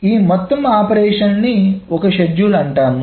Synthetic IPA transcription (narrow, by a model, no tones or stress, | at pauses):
iːmɔt̪ːɐmaːpɐɾɛːʂɐnniɔkɐʃɐd͡ʒjuːlɐɳʈaːnu